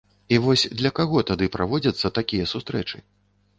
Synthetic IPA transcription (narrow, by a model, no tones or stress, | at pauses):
ivɔsʲd̪lʲɐkaɣɔt̪ad̪ɨpɾʔavɔd͡zʲɐt̪sːɐt̪akʲijɐsust̪ɾɛt͡ʂɨ̰